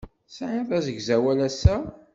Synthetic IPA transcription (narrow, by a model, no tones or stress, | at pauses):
sʕaðæzəɡzæwælæsæ